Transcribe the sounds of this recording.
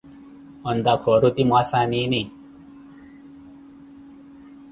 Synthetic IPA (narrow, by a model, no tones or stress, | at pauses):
ɔnd̪akʰoɾut̪imasaniːni